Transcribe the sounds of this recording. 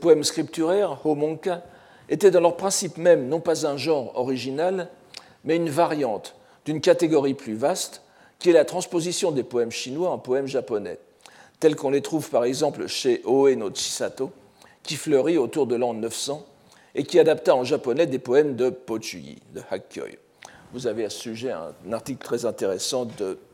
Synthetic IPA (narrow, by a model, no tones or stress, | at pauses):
əpɔɛmskχip̚t̪yʁɛʁhomɔ̃ka | et̪ɛd̪ɑ̃lœʁpχɛ̃sipmɛmnɔ̃pazɛ̃ʒɑ̃ʁɔ̰ʁiʒinal | mɛynvaʁjɑ̃t̪ | d̪̥ynkat̪eɡɔʁiplyvast̪ | kʲiɛlat̪χɑ̃spozisjɔ̃d̪epɔɛmʃinwaɛ̃pɔɛmʒapɔnɛ̰ | t̪ɛlkɔ̃let̪χuvpaʁɛɡzɑ̃plʃeʔoenoʃi̥sat̪o | kʲiflœʁiot̪uʁd̪əlɑ̃nəfsɑ̃ | ekʲiad̪apt̪aɑ̃ʒapɔnɛd̪epɔɛmd̪əpot̪yjḭd̪əha̰kœ̰j | vuzaveassyʒɛɛ̰̃naʁt̪iklt̪χɛzɛ̃t̪eʁesɑ̃d̪ə